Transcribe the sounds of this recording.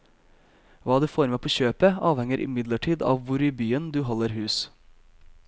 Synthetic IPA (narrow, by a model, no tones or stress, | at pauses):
ʋɑːd̪ɛːfoːɾmeːpʰoːçøːpəɑːʋhɛŋəɾʔɪ̰mɪd̪ləʈʰiːd̪ɑ̰ːʋʋʊɾiːbyːənd̪ʉːɦɔləɾhʉːs